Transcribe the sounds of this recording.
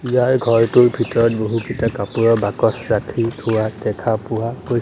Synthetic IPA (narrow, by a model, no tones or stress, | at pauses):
ijaɹɡʱɔɹtʊɹbʱitɔɹɔt̚boɦukitakapuɹɔɹbakɔsɹakʰitʰʊwatɛkʰapʊwakoj